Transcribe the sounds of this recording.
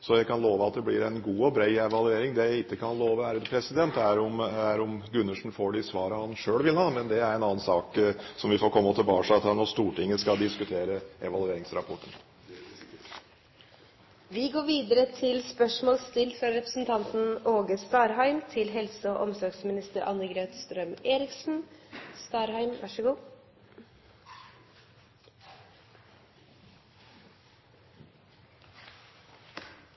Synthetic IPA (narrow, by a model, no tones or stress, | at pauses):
sɔjæɪkʰɑnloːʋəɑt̪̚d̪ɛblɪɾɛnɡuːɔbɾæɪɛʋɑlʉeːɾɪŋd̪ɛjæɪkːəkʰɑnloːʋəæːɾəd̪pʰɾɛsɪd̪ɛnt̪æɾɔmæɾʊmɡʉnːəʂn̩foːɖɪsʋɑːɾəhɑnʂøːɽʋɪlhɑːmɛnd̪ɛæɾɛnɑːənsɑːksɔmʋɪfoːɾkʰɔmːəɔt̪ʰɪlbɑːʂɑt̪ɑnɔst̪uːʈɪŋːəskɑld̪ɪskʉt̪ʰeːɾəɛʋɑlˠʉeːɾɪŋsɾɑpʰɔʈːən | ʋɪɡoːɾʋiːd̪əɾət̪ʰɪlspœʂmoːlst̪ɪlfɾɑɾɛpɾəsn̩t̪ʰɑnt̪n̩oːɡəst̪ɑːɾɦæɪmt̪ʰɪlɦɛlsəɔʔɔmsɔɾɡsmɪnɪst̪əɾʔɑ̰nːəɡɾeːt̪st̪ɾœmeːɾɪksn̩st̪ɑːɾhæɪmʋɑ̰ʂəɡuː